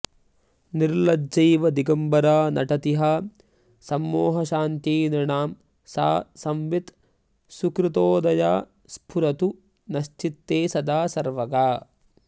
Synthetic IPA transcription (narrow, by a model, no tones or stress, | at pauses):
niɾlɐdd͡ʒɐjʋɐd̪iɡɐmbɐɾaːnɐ̰ʈɐt̪iɦɐ | sɐmːoːɦɐʃaːnt̪iːniɳaːm | sa̰ːsɐmʋit̪ | sukɾut̪oːd̪ɐjaː | spʰuɾɐt̪u | nɐʃt͡ʃit̪ːeːsɐd̪aːsɐɾʋɐɡaː